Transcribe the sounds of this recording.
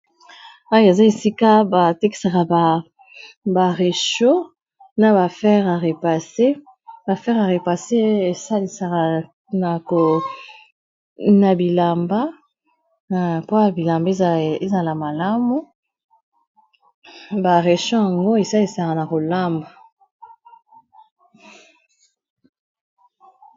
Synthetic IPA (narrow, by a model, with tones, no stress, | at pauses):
a˦e˨za˦e˨si˦ka˦ba˨te˦ki̥˨˦sa˨ka˨ba˨ | ba˨ʁe˨ʃo˦ | na˨ba˨fɛ˦ʁa˨ʁe˨pa˨se˦ | ba˨fɛ˦ʁa˨ʁe˨pa˨se˦e˨sa˦li˨sa˨ka˨ | na˨ko˨ | na˨bi˨la˨mba˦˨ | po˦ja˨bi˨la˨mba˦e˦˨e˦za˨la˨ma˨la˦mu˦ | ba˨ʁe˨ʃɔ˦ja˨ŋɡo˦e˨sa˦li˨sa˨ka˨na˨ko˨la˦mba˨